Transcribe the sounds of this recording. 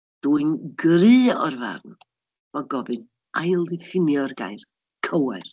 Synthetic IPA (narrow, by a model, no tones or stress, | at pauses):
d̥uːɨnɡrɨːɔrva̰rn | vɔɡɔbɨn | ʔajlˠdɪfɪnjɔrɡa̰jr | kʰəwɛr